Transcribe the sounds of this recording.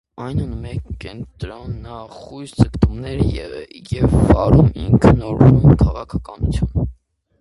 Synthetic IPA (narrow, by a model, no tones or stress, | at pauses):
ɑjnunmɛkːɛnt̪ɾɔnːɑχujst͡səkt̪umnɛɾjɛjɛvːɑɾumḭŋkʰənɔɾumumkʰɑʁɑkʰɑkɑnut͡sʰjun